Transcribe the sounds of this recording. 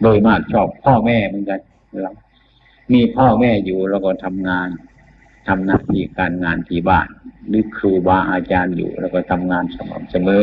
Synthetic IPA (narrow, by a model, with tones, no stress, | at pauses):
doː˧˩jmaː˧˩k̚t͡ɕʰɔː˧˩pʰːɔː˥˩mɛː˧˥˩mɯ˧˦˥nka˧n | la˧˩ | miː˧˥pʰɔː˥˩mɛː˧˩juː˨˩lɛː˧˩wkɔ˧˩t̪ʰa˧mŋaː˧n | t̪ʰa˧mna̰ː˧˨t̪ʰiː˧˩kaː˧˨nŋaː˧nt̪ʰiː˧˩baː˧˩nlɯː˨˦kʰɯː˧˩waː˧ʔaː˧t͡ɕaː˧njṵː˨˩lɛː˧˩wkɔ˧˩t̪ʰa˧mŋaː˧nsa˧mɔ̰ː˨˩˦msa˧mɤː˨˦